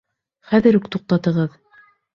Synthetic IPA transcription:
χæðɘɾʉkt̪uq̚t̪ɑt̪ɤ̆ʁɤð

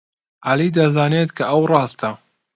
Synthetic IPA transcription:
ʔalid̪ɐzaːneːt̪kʰɐʔɐwrˤɑːst̪ɐ

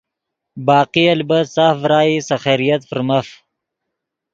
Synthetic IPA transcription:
bɑːqialbət̪saːfɾaːisaxeɾijɐt̪fəɾmaf

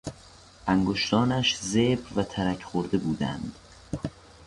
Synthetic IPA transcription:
ʔæŋɡoʃt̪ɒːnæʃzebɾvæt̪ʰæɾæcʰχoɾd̪e̞buːd̪æ̰nd̪̥

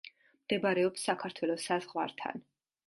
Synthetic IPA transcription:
md̪̥ɛbɾɛɔpsːakʰaɾt̪ʰwɛlɔsazʁwa̰ɾt̪ʰa̰n

